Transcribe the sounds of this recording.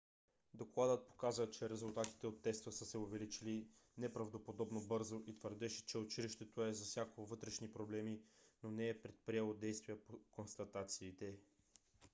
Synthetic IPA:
d̪oklˠad̪ət̪̚po̥kazvət͡ʃɛɾɛzʊlˠt̪at̪i̥t̪ɛot̪ːɛst̪əsəsɛovɛlit͡ʃilinɛpɾɐvd̪opod̪ɔbnobɤɾzoʔit̪vəɾd̪ɛʃɛ̥t͡ʃɛot͡ʃiliʃt̪ɛt̪oɛzɐfsʲjakovɤt̪ɾɛʃnipɾoblɛminonɛːpɾɛt̪̚pɾiɛlˠod̪ɛjst̪viəpokonst̪ɐt̪at̪siːt̪ɛ

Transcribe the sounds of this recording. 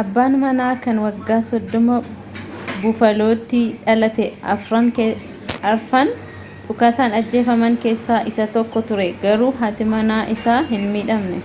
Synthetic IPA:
ʔɐbːaːnmɐnaːkɐnwɐɡːaːsɔd̪ːɔmɐ | bʊfɐlo̞ːt̪ːɪᶑɐlɐt̪ɛɐ̰fɾaŋke | ɐɾfɐn | ᶑʊkaːsaːnɐd͡ʒːe̞ːfɐmɐŋke̞ːsːaːʔɪsɐt̪ɔkːɔt̪ʊɾɛɡɐɾuːɦɐt̪ɪmɐnaːʔɪsaːɦɪnmiːᶑɐmnɛ

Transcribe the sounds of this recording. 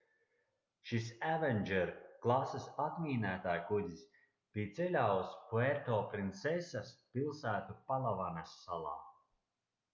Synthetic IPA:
ʃisævɛnʲd͡ʒɛɾklˠasɨsat̪miːnæːt̪aːjkud̪ʲis | b̥ijt̪sɛlʲawskueɾt̪ɔːpɾint̪sesaspilˠsæːt̪upalˠavanasːalˠɑ̰ː

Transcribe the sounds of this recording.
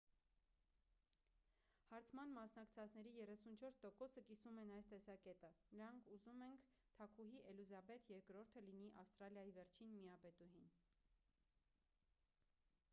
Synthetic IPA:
hɑɾt͡sʰmɑnmɑsnɑkt͡sʰɑt͡sʰn̪ɛɾijɛrɛsunt͡ʃʰɔɾst̪ɔkɔsəkisumɛnɑjst̪ɛsɑkɛt̪ənəɾɑŋkʰuzumɛŋkʰ | t̪ʰɑkʰuɦiʔɛluzɑbɛt̪jɛɾkɾɔɾt̪ʰəliniʔɑfst̪ɾɑljɑjivɛɾt͡ʃʰinmiɑpɛt̪uɦin

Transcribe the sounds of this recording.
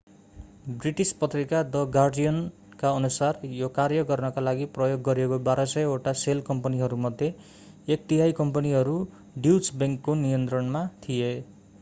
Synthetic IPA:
briʈispʌt̪rikad̪ʌɡarɖijʌn | kaʌnusarjokarjʌɡʌrnʌkalaɡiprʌjoɡːʌɾekobaɾʌsʌjoʈaselkʌmpʌniɦʌɾumʌd̪ʱje | ek̚t̪iɦajkʌmpʌniɦʌɾu | ɖiwsbʌŋkːonijʌnt̪rʌnmat̪ʰije

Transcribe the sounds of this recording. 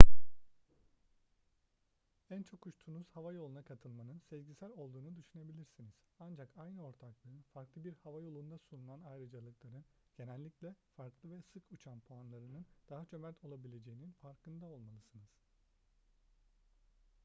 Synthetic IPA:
ænt͡ʃʰo̞kʰut͡ʃt̪ʰunuz̥havajo̞lˠunakʰat̪ʰɯlˠmanɯnsɛvɟisæɾʲo̞lˠd̪uːnud̪yʃyne̞bilʲiɾsiniz̥and͡ʒakajnɯo̞ɾt̪ʰaklˠɯɯnfaɾklˠɯbiɾhavajo̞lˠund̪asununanajɾɯd͡ʒalˠɯklˠaɾɯnɟ̥e̞nɛlʲːiclʲɛfaɾklˠɯvɛsɯkʰut͡ʃʰanpʰuanlˠaɾɯnɯnd̪̥aɦat͡ʃʰø̞mɛt̪ʰo̞lˠabilʲe̞d͡ʒe̞jininfaɾkʰɯnd̪ao̞lˠmalˠɯsɯnɯz̥

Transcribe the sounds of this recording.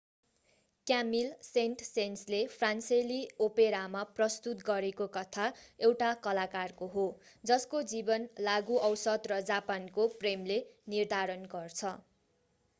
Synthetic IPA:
kjamilsenʈsenslepʰranseliopeɾamaprʌst̪ut̪ɡʌɾekokʌt̪ʰaewʈakʌlakarkoɦo | d͡zʌskod͡zibʌnlaɡuʔʌwsʌd̪rʌd͡zapankopremlenird̪ʱaɾʌnɡʌrt͡sʰʌ

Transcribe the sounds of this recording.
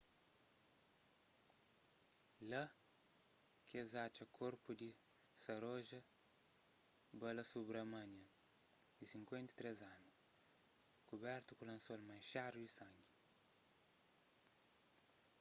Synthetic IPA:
lɐ | kezat͡ʃɐkʰoɾpud̪isɐɾoʒɐ | bɐlɐsubɾɐmɐnjɐd̪isiŋkwẽnt̪i̥t̪ɾezanu | kubɛɾt̪ukulɐ̃nsolmajʃaɾudisɐ̃ɲɡi

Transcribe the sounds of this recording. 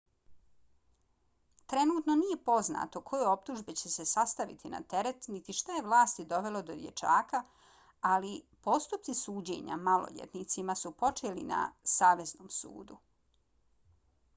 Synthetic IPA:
t̪ɾe̞nuːt̪no̞nije̞po̞zna̰t̪o̞kʰo̞jeo̞p̚t̪uʒbet͡ɕe̞se̞sast̪aʋḭt̪ʰina̰t̪e̞ɾe̞t̪nit̪iʃt̪aje̞ʋlˠaːst̪id̪o̞ʋe̞lo̞d̪o̞̰d̪jḛt͡ʃaːka | alipo̞st̪up̚tsisuːd͡ʑḛɲa̰malo̰ʎḛt̪nit̪simasupo̞t͡ʃeːlḭna̰saːʋe̞zno̞ːmsṵːd̪u

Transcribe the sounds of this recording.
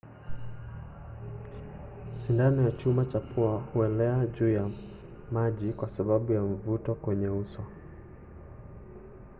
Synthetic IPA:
ʃindanɔjat͡ʃumat͡ʃapuahuɛlɛaʄuːja | maʄikwasaɓaɓujaɱ̩vutɔkwɛɲɛusɔ

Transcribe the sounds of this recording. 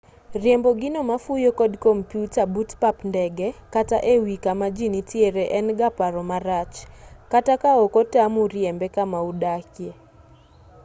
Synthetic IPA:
rjɛmbɔɡɪnomafujokɔdkompjutabutpapndɛɡɛkataʔewikamad͡ʒinitjeɾeʔɛnɡapaɾɔmaɾat͡ʃkatakaɔkɔtamuɾjɛmbɛkamaudakje

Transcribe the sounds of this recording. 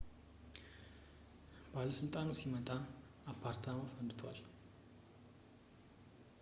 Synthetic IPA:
balːəsɨlt̪ʼanusimət̪ʼa | apʰːaɾt̪ʰamafənd̪ɨt̪ʰwa̰l

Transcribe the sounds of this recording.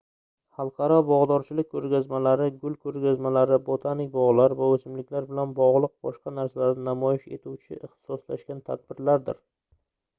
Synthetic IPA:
hɑlˠqʰɑɾɒbɒʁd̪ɒɾt͡ʃʰɪlɪk̚ʲkʰːɵɾɡʲazmalaɾɪɡʊlˠkʰɵɾɡʲazmalaɾɪbot̪ʰanɪkʲbɒʁlˠaɾvaɵsɪmlɪkʲlaɾbɪlanbɒʁlˠʊq̚bɒʃqɑnaɾsalaɾnɪnamɒjɪʃe̞̰t̪ʰuwt͡ʃʰɪʔɪχt̪ɪ̥sɒslaʃkʲant̪ʰa̰d̪̚bɪɾlaɾd̪ɪ̰ɾ

